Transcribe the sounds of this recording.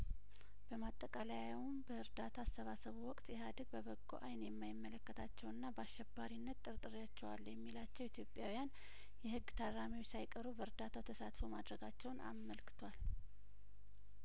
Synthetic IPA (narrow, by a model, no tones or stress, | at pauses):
b̥əmat̪ʼːəkʼalajwumbəɨɾd̪at̪ʰaːsːəβasəβuwɔkʼt̪jɛhad̪ɨɡ̚bəβəɡːo̰ʔajnjɛmːajɪmːələkːət̪ʰat͡ʃːɛwɨnːabəaʃːɛbːaɾinːət̪t̪ʼːɨɾt̪ʼɨɾjat͡ʃːɛwalːjɛmːilat͡ʃːɛwɪt̪ʰjo̞pʼːjawijan | jɛhɨɡːt̪ʰaramiot͡ʃːsajkʼəɾubəɨɾd̪at̪ʰat̪ʰəsat̪fomad̪ɾəɡat͡ʃːɛwnʔa̰mːəlkʰɨ̥t̪ʰwal